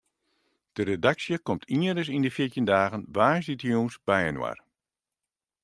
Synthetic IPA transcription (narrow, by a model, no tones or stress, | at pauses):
d̥əɾedaksjəkɔmtʰiəɾəs̬indəfɪtjəndaːɣənʋaːsitəjusb̥ɛjə̰nwa̰r